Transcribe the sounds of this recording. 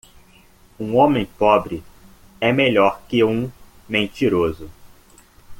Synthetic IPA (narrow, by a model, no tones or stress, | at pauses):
ũõmẽj̃pɔbɾɪ | ɛmeʎɔɾkɪũ | mẽnt͡ʃiɾozʊ